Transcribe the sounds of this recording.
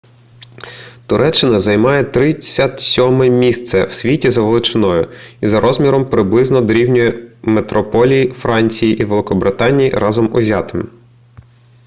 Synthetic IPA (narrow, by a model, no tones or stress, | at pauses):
t̪ʊɾʔɛt͡ʃːɪnɐzɐjmɑjɛt̪ɾɪt͡sʲːɐt̪sʲɔmɛmʲist̪sɛwsʲʋʲitʲizɐʋelˠɪt͡ʃɪnɔjʊizɐɾʔɔzmʲiɾɔmpɾɪblˠɪznɔd̪ɾʲiwnʲʊjɛmet̪ɾɔpɔlʲijifɾɑnʲt͡sʲijiʔiʋelˠɪkɔbɾɪt̪ɑnʲijḭɾɑzɔmʊzʲɑt̪ɪm